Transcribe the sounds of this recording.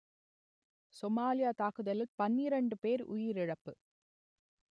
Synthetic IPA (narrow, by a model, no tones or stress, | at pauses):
sɔmaːlɪjaːt̪aːkɯðɐlɪlpɐnːɪɾɐɳɖɯpeːɾʊ̰jɪɾɪɻɐpːɯ